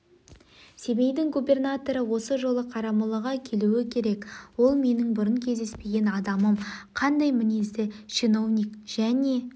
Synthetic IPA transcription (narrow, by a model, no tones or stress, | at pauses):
se̞bejd̪ɪŋɡubʲe̞rnat̪o̞ɾəwo̞səʒo̞lˠəqʰɑɾɑməlˠəʁɑkʲʰe̞luɪkʲʰe̞ɾe̞kwo̞lˠme̞nɪŋbʊɾəŋkʲʰe̞zd̪e̞spe̞ɡʲe̞nɑd̪ɑməmqʰɑnd̪ɑjmɪnezd̪ɪʃino̞vnʲikʒ̥æne̞